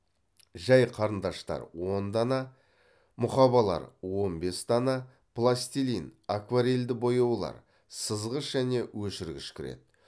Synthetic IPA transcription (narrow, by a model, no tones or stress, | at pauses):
ʒɑjqʰɑɾənd̪ɑʃt̪ɑ̰ɾwo̞nd̪ɑnɑ | mʊχɑβɑlˠɑ̰ɾwo̞nbe̞st̪ɑnɑ | plˠast̪ilinakvaɾeld̪ɪbo̞jɑwlˠɑ̰ɾ | səzʁəʃʒæne̞wɵʃɪɾɡʲɪʃkʲʰɪɾḛt̪